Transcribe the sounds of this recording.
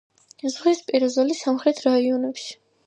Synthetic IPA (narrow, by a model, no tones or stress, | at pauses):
zʁispʼiɾazɔlisamχɾɛt̪ʰɾaiɔnɛpʃi̥